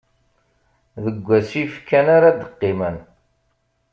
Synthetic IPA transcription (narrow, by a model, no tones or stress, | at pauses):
ðəɡʷːæsifkːænaɾad̪əqːɪmən